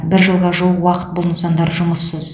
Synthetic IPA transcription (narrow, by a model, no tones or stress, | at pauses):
bɪɾʒəlˠʁɑʒoəqwɑqə̥t̪̚bolˠənsɑnd̪ɑɾʒʊməsːəz